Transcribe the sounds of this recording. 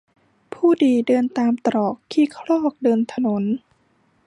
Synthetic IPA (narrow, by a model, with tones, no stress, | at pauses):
pʰuː˥˩diː˧dɤː˧nt̪aː˧mt̪ɾɔː˨˩kʰːiː˧˥˩kʰɾɔː˥˩k̚dɤː˧nt̪ʰa˧no˩˦n